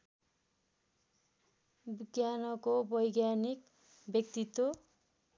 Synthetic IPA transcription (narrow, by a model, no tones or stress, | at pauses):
biɡjanʌkobʌjɡjanik | bjʌk̚t̪it̪wo